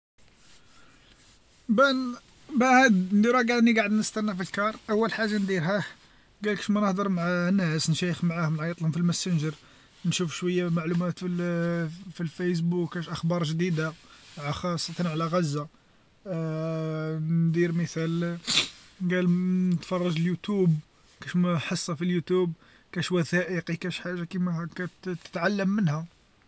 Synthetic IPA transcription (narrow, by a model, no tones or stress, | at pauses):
bæ | bæhæd̪nd̪iɾæɡælnːiɡaʕəd̪nəst̪ænːæfilkɑɾˤʔæwːəlħaʒːand̪iɾɦæ | ɡælkʃmænəhd̪əɾˤmʕanːæsnʃæjəxmʕahʊməlʕɑjt̪ˤlhʊmfilmæsənʒəɾ | nʃufʃwəjːamaʕlumæt̪fi | filfæjs̬bukhæʃʔəxbɑɾˤʒd̪id̪amʕaxɑsˤːɑt̪ɑnʕlæɣæzːa | nd̪iɾməθæl | nɡælnət̪fɑrˤːɑʒəljut̪ub | kæʃmħəsˤːɑfiljut̪ub̚ | kæʃwæθæʔəqikæʃħaʒːakimækæt̪ə̥t̪ʕalːəmːənhæ